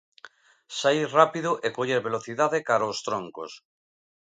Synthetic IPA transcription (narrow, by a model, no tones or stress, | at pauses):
sairapiðoʔekoʎeɾβeloθiðaðekaɾaost̪ɾoŋko̰s